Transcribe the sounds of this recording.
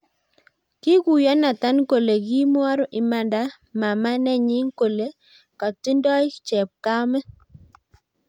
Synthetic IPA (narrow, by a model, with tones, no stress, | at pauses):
ki˦ku˨jɔ˦na˨ta˦nko˨le˨ɡi˦m˦a˦ɾɔ˦ʔɪ˨ma˨nda˦ | ma˨ma˦nɛ˦ɲi˦ŋ˦ko˨le˦ | ka˨ti˦ndɔ˦ɪ˦t͡ʃɛ˨p̚ka˦mɛ˦